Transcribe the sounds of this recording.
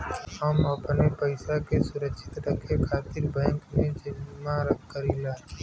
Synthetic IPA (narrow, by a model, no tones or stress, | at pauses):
ɦəməpnepəɪsakesʊɾəkʃʰɪ̥t̪ɾəkekʰaːt̪ɪɾbɛ̃ːŋknẽd͡ʒɪnmãɾəkkːəɾilaː